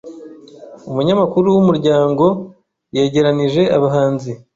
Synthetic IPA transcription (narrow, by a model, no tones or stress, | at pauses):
umuɲamakuɾuwumuɾɟaːŋɡo̞ | je̞ːɟe̞ɾaniʒe̞aβaɦaːnzi